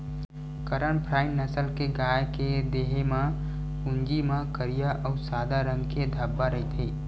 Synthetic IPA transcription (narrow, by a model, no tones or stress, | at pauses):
kəɾəɳ̃pʰɾaːɪnːəsəlkeɡaːjked̪eːɦemã | ʊ̃ŋd͡ʒimãkəɾijaʔəʊsaːd̪aɾə̃ŋɡked̪ʱəbːaɾəɦit̪ʰiː